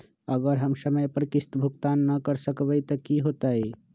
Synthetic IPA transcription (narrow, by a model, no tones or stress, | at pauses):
əɡəɾɦəmsəməjpəɾkɪst̪bʱʊkt̪aːnːɐkəɾsəkʋəjt̪ɔkiɦoːt̪aːe